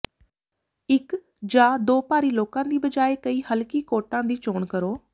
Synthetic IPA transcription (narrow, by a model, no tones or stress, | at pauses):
ɪk | d͡ʒaːd̪oːpaːɾiːloːkãːd̪iːbəd͡ʒaːeːkəiːhəlkiːkoːʈãːd̪iːt͡ʃoːɳkəɾoː